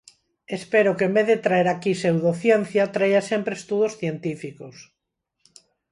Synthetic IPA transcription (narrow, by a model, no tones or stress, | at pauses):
espeɾokemeððet̪ɾaeɾakisewðoθjẽn̟θjat̪ɾajasempɾest̪uðosθjent̪ifikos